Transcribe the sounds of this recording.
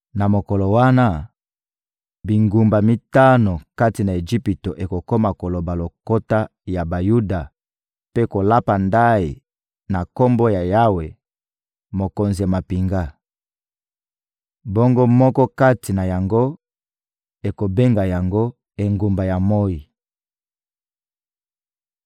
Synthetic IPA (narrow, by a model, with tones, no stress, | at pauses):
na˨mo˨ko˨lo˨wa˦na˦ | bi˨ŋɡu˨mba˨mi˦ta˦no˨ka˦ti˨na˨e˨ʒi˦pi˨to˨ʔe˨ko˨ko˦ma˨ko˨lo˨ba˨lo˨ko˦ta˦ja˨ba˨ju˦da˨ | pe˦ko˨la˦pa˨nda˦i˨ | na˨ko˦mbo˦ja˨ja˦we˨ | mo˨ko˨nzi˨ja˨ma˨pi˨ŋɡa˦ | bo˦ŋɡo˦mɔ˦kɔ˦ka˦tʰi˨na˨ja˨ŋɡo˦ | e˨ko˨be˦ŋɡa˨ja˨ŋɡo˦ | e˨ŋɡu˨mba˨ja˨mo˦ji˨